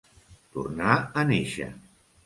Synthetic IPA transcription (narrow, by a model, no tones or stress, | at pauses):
t̪ṵrnaəneʃə̰